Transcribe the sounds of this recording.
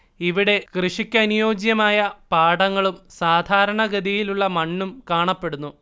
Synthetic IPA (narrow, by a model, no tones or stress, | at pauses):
iʋiɽe̞krɨʂikʲːɐnujo̞ːd͡ʑjɐmaːjɐpaːɽɐŋːɐɭumsaːd̪ʱaːɾɐɳɐɡɐd̪ijiluɭːɐmɐɳːumkaːɳɐpːe̞ɽunːu